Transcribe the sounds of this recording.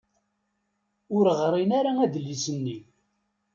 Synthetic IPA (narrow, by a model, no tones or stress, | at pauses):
ʊɾəʁɾˤinaɾaæðlːisənːi